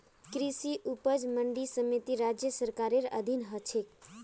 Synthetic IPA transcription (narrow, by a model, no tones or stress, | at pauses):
kɾisiʔupəd͡ʒməɳɖisəmit̪iɾad͡ʒjəsəɾkaɾeɾə̰d̪ʱinɦət͡ʃʰek